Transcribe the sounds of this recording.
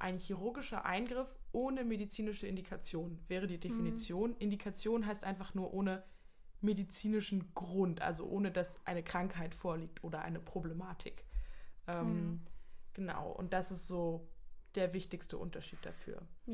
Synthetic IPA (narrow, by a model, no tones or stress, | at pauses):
ʔa̰ɪnçiʁ̞ʊɐɡɪʃɐ̰ʔa̰ɪnɡʁɪfʔoːnəmedit͡siːnɪʃəɪndikʰat͡sjoːnvɛːʁ̞ədiːdefinit͡sjoːnʔɪndikʰat͡sjoːnɦaɪstʔaɪnfaχnuːɐʔoːnə | medit͡siːnɪʃn̩ɡ̥ʁʊntʔa̰lzo̰ʔoːnədasʔa̰ɪnəkʁ̥aŋkhaɪtfoːɐliːk̚tʔoːdɐʔa̰ɪnəpʁ̥oblemaːtʰɪkʔɛːm | ɡ̥əna̰ʊʔʊ̰nt̚d̥asɪstz̥oːd̥eːɐvɪçtɪçstəʔʊ̰ntɐʃiːt̚d̥a̰fy̰ːɐ